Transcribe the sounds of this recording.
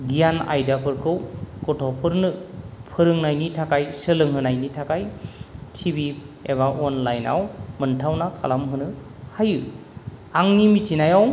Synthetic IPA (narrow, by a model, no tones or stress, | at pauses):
ɡijana̰jdapʰɯɾkʰɯwkɔtʰɔpʰɯɾnɯpʰɯɾɯŋnajnitʰakajsɯlɯŋɦɯnajnitʰakajtʰibieβaʔɔnlajna̰wmɯntʰawnakʰa̰lamɦɯnɯ | hajɯ | aŋnimitinajaw